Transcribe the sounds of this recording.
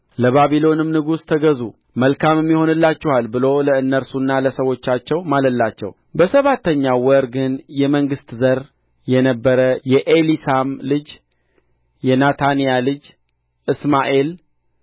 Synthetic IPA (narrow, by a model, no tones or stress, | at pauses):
ləβaβilo̞nɨmnɨɡust̪ʰəɡəzu | məlkamɛmːiho̞nɨlːat͡ʃːɛhalbɨlo̞ləɨnːəɾsunːaləsəwo̞t͡ʃːat͡ʃːɛwmaləlːat͡ʃːɛ̰w | bəsəβat̪ʰːəɲːawwəɾɡɨnjɛməŋɡɨst̪zəɾ | jɛnəbːəɾəjɛʔelisamlɨd͡ʒ | jɛnat̪ʰanijalɨd͡ʒ | ʔɨsmaʔe̞l